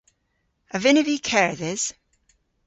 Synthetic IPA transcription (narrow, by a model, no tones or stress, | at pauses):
əvɪnɪvikʰɛɹðɪz̥